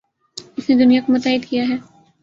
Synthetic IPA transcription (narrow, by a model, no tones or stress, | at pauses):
ɪsned̪ʊnijakomʊt̪aːɦɪd̪kijaɦɛː